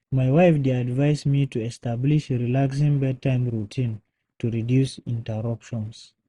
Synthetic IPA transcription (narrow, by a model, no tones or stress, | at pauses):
maɪwaɪfdiadvaɪzmitʰuɛstabliʃɹilaks̬ĩŋbɛtʰãɪ̃mɹutʰĩn | tʰuɹidjusĩntəɹʌpʃɔ̃ns